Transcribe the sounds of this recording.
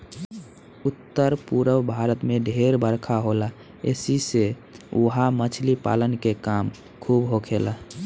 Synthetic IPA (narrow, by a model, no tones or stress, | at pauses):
ut̪ːəɾpuɾəwbʱaɾət̪meɖʱeɾbəɾkʰaɦola | ḛsise | uɦamət͡ʃʰlipa̰lənkekam | kʰubɦokʰela